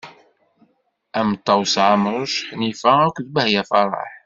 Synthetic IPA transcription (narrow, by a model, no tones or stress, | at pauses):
ʔæmt̪ˤːɑwsʕamɾˤʃħnifæækʷðbəhjæfɑɾˤɑ̰ħ